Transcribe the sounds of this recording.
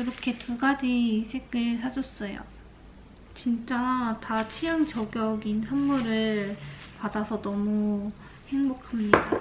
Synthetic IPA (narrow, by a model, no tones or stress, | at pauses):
jɯɾʌkʰe̞tuɡad͡ʑisʰe̞ɡɯɭsʰad͡ʑʌs͈ʌjo̰ | t͡ɕint͡ɕ͈atat͡ɕʰijaŋt͡ɕʌɡjʌɡinsʰamːuɾɯɭpadasʰʌnʌmu | he̞ŋmokʰamɲida